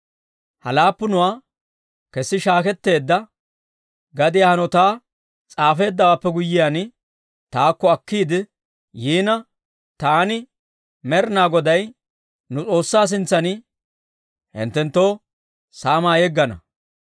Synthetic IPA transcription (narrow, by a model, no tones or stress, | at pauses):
hɐlaːpːʊnʊwaː | kɛsːɪʃaːkɛt̪ːe̞ːd̪ːɐ | ɡɐd̪ɪjaːhɐnɔt̪aː | t͡sʼaːfe̞ːd̪ːɐwaːpːɛɡʊjːɪjaːnɪ | t̪aːkːɔɐkːiːd̪ɪ | jiːnɐ | t̪aːnɪ | mɛɾɪnaːɡɔd̪ɐj | nʊt͡sʼo̞ːsːaːs̬ɪnt͡sːɐnɪ | hɪ̰nt̪ːɛnt̪ːo̞ː | saːmaːjɛɡːɐnɐ̰